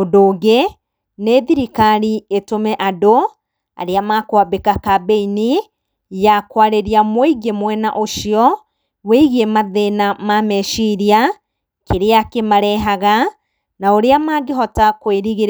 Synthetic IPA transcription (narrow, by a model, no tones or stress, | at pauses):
odoːɣe | neðiɾikaɾietomɛʔado | a̰ɾeamakwabekakabeini | jakwaɾeɾiamweɡemwɛna̰ʔoʃiɔ | weiɣiemaðenamamɛʃiɾia | kʰeɾeakemaɾɛɦaɣa | naoɾeamaɡeɦɔtakweɾiɣeɾ